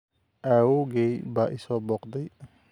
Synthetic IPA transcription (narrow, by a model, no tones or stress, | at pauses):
ʔaːwoɡejbaːʔɪsɔbɔqd̪ɐj